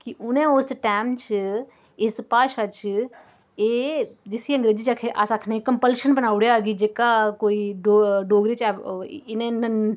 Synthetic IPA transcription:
kiʔʊnẽoːsʈaːmt͡ʃʰɨ | espaːʃat͡ʃʰ | ed͡ʒɪsiɐ̃ŋɡɾeːd͡ʒit͡ʃakʰeʔasakʰnekɐmpəlʃənbɐnaːʋɽjaɡid͡ʒeːkakoːiɖoɖoːɡɾit͡ʃɛɪnẽnən

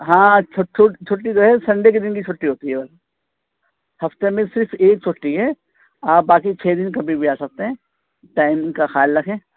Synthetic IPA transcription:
ɦãːt͡ʃʰoʈt͡ʃʰot͡ʃʰʊʈːid͡ʒoːɦɛsɐ̃ɳɖek̬ed̪ɪnkit͡ʃʰʊʈːiɦoːt̪iɦɛbɐla | hɐft̪emẽsɪɾfʰeːk̚t͡ʃʰoʈːiɦɛ | aːp̚baːkit͡ʃʰeːd̪ɪnkɐbʱibʱiaːsɐk̚t̪eɦɛ̃ː | ʈaːɪmkaxaːlːɐkʰẽː

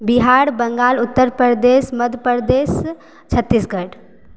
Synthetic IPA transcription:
biɦaɽbəŋɡaːlʊt̪ːəɾpəɾd̪esməd̪ʱjəpəɾd̪es | t͡ʃʰət̪ːisɡəʈ

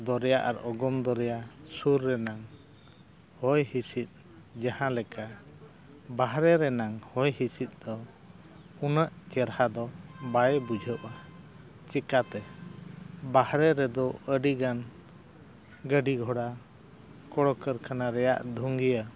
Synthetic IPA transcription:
d̪ɔɾɛjaʔa̰ɾɔɡɔmd̪ɔɾɛjasuɾːɛnaŋ | hɔjhisit̪̚ˀ | d͡ʒahãlɛka | baɦɾɛɾɛnaŋhɔjhisit̪̚ˀd̪ɔ | unəʔt͡ʃɛɾhad̪ɔbajbud͡ʒʱəʔa | t͡ʃɛkat̪ɛ | bahɾɛɾɛd̪ɔəɖiɡan | ɡəɖiɡʱɔɽa | kɔɽɔkəɾkanaɾɛja̰ʔd̪ʱuŋɡijə

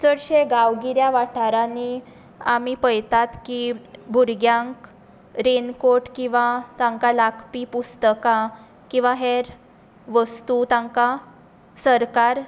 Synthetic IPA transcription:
t͡səɽɕeɡaʋɡiɾjaʋaʈʰaɾani | amipəjt̪at̪kibʱuɾɡjãŋk | ɾenkoɾʈkĩw̃ʋat̪ãŋkalakʰpipust̪əkã | kĩw̃ʋaɦeɾ | ʋəst̪ut̪ãŋka | səɾkaɾ

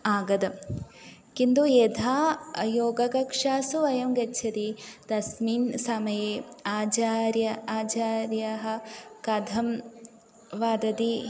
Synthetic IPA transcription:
aːɡɐd̪ɐ | kind̪ued̪ʱaːjoːɡɐkɐkʂaːsuɐjɐmɡɐt͡ʃʰɐt̪id̪̥ɐsmiːnsamɐjeːaːt͡ʃaːɾjɐaːt͡ʃaːɾjɐɦɐ̆kɐd̪ʱɐm | ʋaːd̪ɐd̪i

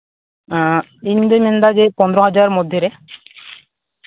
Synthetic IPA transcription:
ind̪omend̪aɡepɔnd̪ɾoɦad͡ʑaɾmod̪ʱːjeɾe

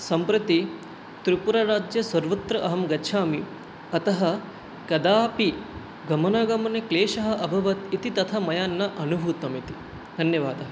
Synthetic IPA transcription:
sɐmpɾɐt̪i | t̪ɾipuɾɐɾaːd͡ʒjɐsɐɾʋɐt̪ɾɐʔɐɦɐmɡɐt͡ʃʰaːmi | ɐt̪ɐɦɐ | kɐd̪aːpi | ɡɐmɐnɐɡɐmɐnekleːʃɐɦɐ̆ʔɐbʱɐʋɐt̪it̪it̪ɐt̪ʰɐmɐjaːnːɐʔɐnubʱuːt̪ɐmit̪i̥ | d̪ʱɐnjɐʋaːd̪ɐɦɐ

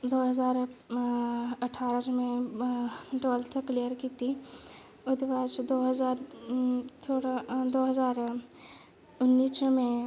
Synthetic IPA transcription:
d̪oːɦɐzaːɾ | ɐʈʰaːɾə̃t͡ʃmẽ | ʈoːlt̪ʰəklijəɾkiːt̪i | ʊd̪ʋaːd͡ʒd̪oːɦɐzaːɾ | t̪ʰoːɽad̪oːɦɐzaːɾ | ʊnːiːsmẽ

